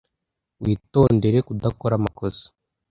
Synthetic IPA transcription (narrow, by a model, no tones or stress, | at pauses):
wiːto̞ːnde̞ɾe̞kudakoɾamakosḁ